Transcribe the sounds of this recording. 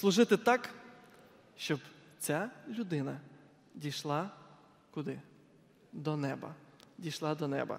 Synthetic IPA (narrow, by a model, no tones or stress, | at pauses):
slˠʊʒɪt̪ɪt̪ɑk | ʃt͡ʃɔbt͡sʲalʲʊd̪ɪnɐ | dʲijʃlˠɑ | kʊd̪ɪ | d̪ɔnɛbɐ̰dʲijʃlˠɑd̪ɔnɛ̰bɐ̰